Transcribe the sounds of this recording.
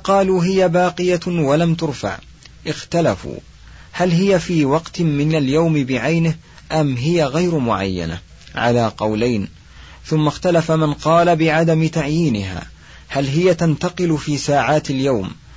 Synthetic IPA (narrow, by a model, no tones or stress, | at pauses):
qɑːluːɦɪjabɑːqɨjawalamt̪ʊɾfa̰ʕ | ʔɪxt̪alafṵː | halɦɪjafiːwɑqt̪mɪnaljawmɪbɪʕajnɪh | ʔamɦɪjaɣajɾmʊ̰ʕa̰jːa̰na̰ | ʕa̰laːqɑwlajn | θʊmːaxt̪alafamanqɑːlabɪʕad̪amɪt̪aʕjiːnɪɦa̰ː | halɦɪjat̪ant̪ɑqɨlʊfiːsaːʕaːt̪aljawm